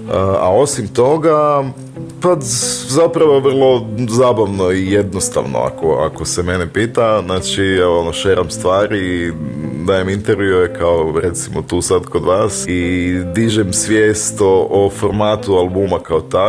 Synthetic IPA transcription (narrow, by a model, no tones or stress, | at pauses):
əa̰o̞simt̪o̞ɡa | pazapɾaʋo̞ʋr̩lˠo̞zaːbaʋno̞ije̞d̪nost̪a̰ʋno̰a̰koa̰ko̞seme̞nepiːt̪aznaːt͡ʃiɛonoʃeɾʔamst̪ʋaːɾiːd̪aːjemint̪eɾʋjuekaoɾe̞t̪simot̪uːsad̪ko̞d̪ʋaːsid̪iʒɛmsʋjeːst̪oʔofo̞ɾmaːt̪ualˠbuːmakaot̪a